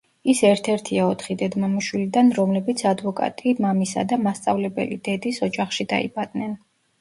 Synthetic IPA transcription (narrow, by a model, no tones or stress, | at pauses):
isɛɾt̪ʰɛɾt̪ʰiaɔt̪ʰχid̪ɛd̪mamiʃwilid̪anɾɔmlɛbit̪sʰad̪vɔkʼa̰t̪ʼimamisa̰d̪amast̪sʼavlɛbɛ̰lid̪̥ɛd̪isɔd͡ʒaχʃid̪a̰ḭbad̪̥nɛn